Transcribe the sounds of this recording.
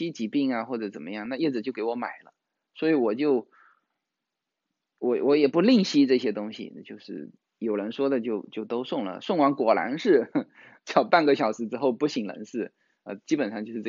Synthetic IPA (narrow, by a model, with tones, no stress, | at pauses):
i˥t͡ɕi˧˥pi˥˩ŋa˩xwɔ˥˩ʈ͡ʂɤ˧˥t͡sə˨˩nmə˦jɑ˥˧ŋna˥˧jɛ˥˩d͡z̩˨˩t͡ɕjo˥˩ʊke˧˥ɪwɔ˧˥ma̰˨˩ɪlə̰˦ | swɔ˧˥i˧˥wɔ˨˩t͡ɕjo˥˩ʊ | wɔ˧˥wʔɔ˧˥jɛ˨˩pu˧˥li˥˩ŋɕi˥ʈ͡ʂɤ˥˩ɕjɛ˥t̪ʊ˥ŋɕḭ˨t͡ɕjo˥˧ʊʂɻ̩˥˩ | jo˨˩ʊɻə˧˥nʂwɔ˥d̪ə˨t͡ɕjo˥˧ʊt͡ɕjo˥˩ʊt̪o˥ʊʂʊ˥˩ŋlə̰˩ʂʊ˥˩ŋwa˧˥ŋkwɔ˨˩la̰˧˥nʂɻ̩˥˩ | t͡ɕjɑ˥˩ʊpa˥˩nɡə˧˩ɕjɑ˨˩ʊʂɻ̩˧˥ʈ͡ʂɻ̩˥xo˥˧ʊpu˥˩ɕi˨˩ŋlə̰˧˥nʂɻ̩˥˩ | ə̰˧t͡ɕi˥pə˨nʂɑ˥˧ŋt͡ɕo˥˧ʂɻ̩˥˧˥